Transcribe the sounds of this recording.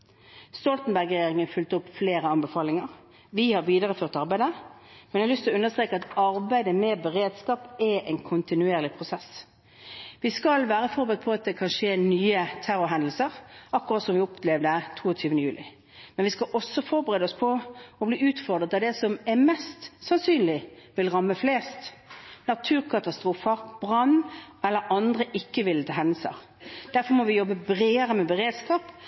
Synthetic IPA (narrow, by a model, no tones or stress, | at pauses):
st̪ɔlt̪n̩bæɾɡʁɛjjeːʁɪŋənfʏlt̪ʊpːfleːɾəɑnbəfɑːlɪŋəʁ | ʋɪhɑɾʋiːd̪əʁəføːʁt̪ɑʁbæɪd̪ə | mɛnɑlʏst̪ɪlɔʉnːəʁst̪ʁeːkəɑt̪ɑɾbæɪd̪əmɛbəʁeːd̪skɑːpɛʔɛɪnkʰʊnt̪ɪnʉeːʁlɪpʰʁʊsɛs | ʋɪskɑlʋæːʁəfɔɾbəʁət̪̚pʰɔɑt̪̚d̪ɛkʰɑnʂeːnyːət̪ʰæɾʊɦɛnd̪l̩səʁʔɑkːʊʁɑt̪sɔmʋɪɔpʰlɛʋd̪ət̪ʰuːɔt̪ʰyːʋənəjʉːlɪ | mɛnʋɪskɑlʔɔsːɔfɔɾbəʁeːd̪əɔspʰɔɔbliːʉːt̪fɔʁd̪ʁət̪ɑʋd̪ɛsɔmɛʁmɛst̪sɑnsyːnlɪʋɪlʁɑmːəfleːst̪nɑt̪ʰʉːʁkʰɑt̪ɑst̪ʁuːfəɾb̥ʁɑnːɛlːəɾɑnd̪ʁəʔɪkːəʋɪlt̪ʰɑɦɛnl̩sə̰ʁ | d̪̥æɾfɔɾmɔʋɪjɔbəbɾeːəʁəmɛbəʁeːd̪skɑːp